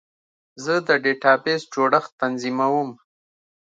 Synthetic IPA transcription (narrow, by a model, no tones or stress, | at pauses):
zəd̪əɖeʈɑbesd͡ʒoɽaxt̪anzimawum